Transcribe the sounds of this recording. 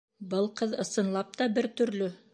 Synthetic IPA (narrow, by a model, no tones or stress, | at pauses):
bɤlˠqɤðɤ̆sɤ̆nlˠɑp̚t̪ɑbɘɾt̪ɵ̆ɾlɵ